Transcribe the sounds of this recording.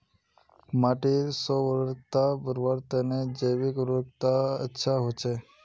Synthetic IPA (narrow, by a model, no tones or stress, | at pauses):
maʈesɔʋəɾt̪abəɾʋaɾt̪əned͡ʒəjʋikɾok̚t̪aə̰tːʃʰaɦot͡ʃʰe